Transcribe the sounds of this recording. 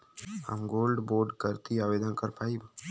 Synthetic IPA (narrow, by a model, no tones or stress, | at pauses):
ə̰mɡolɖboɾɖkəɾt̪iaʋed̪ənkəɾpaib